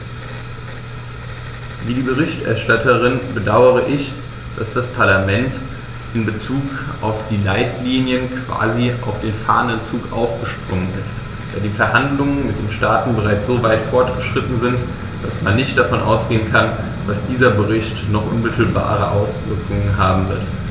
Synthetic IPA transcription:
viːdiːbəʁ̞ɪçtʔɛ̰ɐʃtatəʁ̞ɪnbədaʊəʁ̞əʔɪç | d̥asd̥aspʰaɐlamɛnt | ʔɪnbət͡suːkʔa̰ʊfd̥iːlaɪtliːnjənkv̥a̰ːziʔaʊfd̥eːnfa̰ːɐənənt͡suːkʔa̰ʊfɡ̥əʃpʁ̥ʊŋənɪst | d̥a̰ːɐdiːfɛɐhandlʊŋənmɪt̚d̥eːnʃtaːtn̩bəʁaɪt͡sz̥oːvaɪtfɔɐtɡ̥əʃʁ̥ɪtn̩zɪnt | d̥asmanːɪçtd̥afɔnʔa̰ʊsɡ̥eːənkʰan | d̥asd̥iːzɐbəʁɪçtnɔχʔʊ̰nmɪtl̩ba̰ːʁ̞əʔaʊsv̥ɪɐkʰʊŋənɦaːbm̩vɪɐt

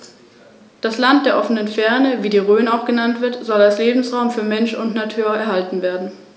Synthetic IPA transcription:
d̥aslantd̥eːɐʔɔfənənfɛɐnəviːdiːʁøːnaʊxɡ̥ənantv̥ɪɐtz̥ɔlalsleːbm̩sʁaʊmfyːɐmɛnʃʊntnatʰyːɐɛɐhaltn̩veːɐdn̩

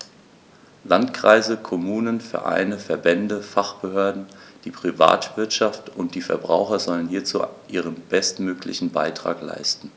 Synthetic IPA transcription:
lantkʁ̥a̰ɪzəkʰɔmuːnənfɛɐʔa̰ɪnəfɛɐbɛndəfaχb̥əhøːɐdn̩d̥iːpʁ̥iva̰ːtv̥ɪɐtʃaftʔʊntd̥iːfɛɐbʁaʊxɐzɔlənhiːɐt͡sṵːʔiːʁ̞ənb̥ɛstmøːklɪ̰çn̩baɪtʁ̥a̰ːkla̰ɪstn̩

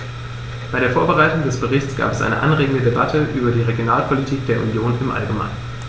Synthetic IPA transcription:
b̥aɪɾeːɐfoːɐbəʁaɪtʊŋdɛsb̥əʁɪçt͡sɡ̥a̰ːpɛsʔa̰ɪnə̰ʔa̰nʁeːɡŋ̩dədeba̰tʰəʔyːbɐdiːʁeɡjonaːlpʰolitʰiːk̚d̥eːɐunjoːnɪmʔa̰lɡəma̰ɪnn

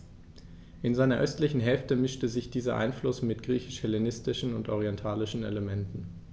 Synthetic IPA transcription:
ʔɪnzaɪnɐʔœstlɪçn̩ɦɛlftəmɪʃtəzɪçd̥iːzɐ̰ʔa̰ɪnflʊsmɪtɡ̥ʁiːçɪʃhɛlenɪstɪʃn̩ʊntʔɔʁ̞iɛntʰaːlɪʃn̩ḛləmɛntn̩

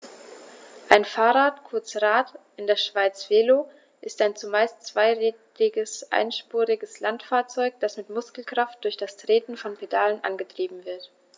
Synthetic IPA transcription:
ʔaɪnfaːʁaːtkʰʊɐt͡sʁaːtʔɪndeːɐʃv̥aɪt͡sv̥eːlo | ʔɪstaɪnt͡sumaɪst͡sv̥aɪʁɛ | ɪɡəsʔa̰ɪnʃpuːʁɪɡəslantfaːɐt͡sɔʏk̚d̥asmɪtmʊskl̩kʁ̥aft̚d̥ʊɐçd̥astʁ̥eːtn̩fɔnpʰedalənʔa̰nɡətʁ̥iːbm̩vɪɐt

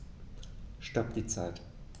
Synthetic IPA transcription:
ʃtap̚d̥iːt͡saɪt

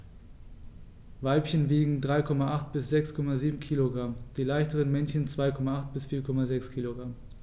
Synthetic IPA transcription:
vaɪpçənviːɡŋ̩dʁaɪkʰɔmaʔaχtb̥ɪsz̥ɛkskʰɔmaziːbm̩kʰiːloɡʁamd̥iːlaɪçtəʁ̞ənmɛnçənt͡sv̥aɪkʰɔmaʔaχt̚b̥ɪsfiːɐkʰɔmazɛkskʰiːloɡʁam

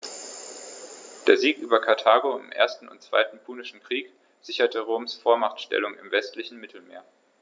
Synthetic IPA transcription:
d̥eːɐziːkʔyːbɐkʰaɐtʰaːɡoɪ̰mʔḛːɐstn̩ʊ̰ntt͡sv̥a̰ɪtn̩pʰuːnɪʃn̩kʁ̥iːk | z̥ɪçɐtʰəʁoːmsfoːɐmaχtʃtɛ̰lʊŋɪmvɛstlɪçn̩mɪtʰl̩meːɐ

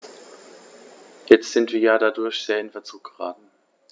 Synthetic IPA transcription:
jɛt͡stz̥ɪntv̥iːɐjaːdadʊɐçz̥eːɐɪnfɛɐt͡suːk̚ɡ̥əʁa̰ːtn̩

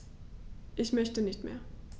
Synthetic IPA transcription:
ʔɪçmœçtənɪçtmḛːɐ

